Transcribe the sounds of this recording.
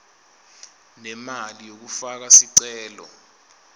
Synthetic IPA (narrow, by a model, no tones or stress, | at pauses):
nɛmalijok̬ufak̬asiǀɛːlɔ̰